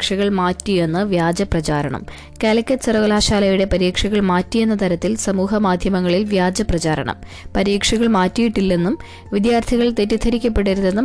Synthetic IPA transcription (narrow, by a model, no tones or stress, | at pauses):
kʂɐɣɐɭmaːtːije̞nːɨʋjaːd͡ʑɐprɐt͡ɕaːɾɐ̰ɳɐ̰m | kalɐkʲːɐsɐrɐʋɐlaːɕaːlɐjuɽe̞pɐɾiːkʂɐɣɐɭmaːtːije̞nːɐt̪ɐɾɐt̪ːilsɐmuːɦɐmaːd̪ʱjɐmɐŋːɐɭilʋjaːd͡ʑɐprɐt͡ɕaːɾɐ̰ɳɐ̰m | pɐɾiːkʂɐɣɐɭmaːtːijiʈːilːe̞nːum | ʋid̪jaːrt̪ʰiɣɐɭt̪etːit̪ʰɐɾikʲːɐp̬ːe̞ɽiɾune̞nːum